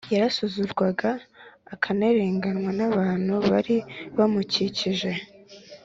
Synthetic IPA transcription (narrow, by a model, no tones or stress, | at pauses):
jaɾasuzuɾɡwaɡaːkʰaneɾe̞ːŋɡanwanaβaːn̥huβaɾiβamuciciʒe̞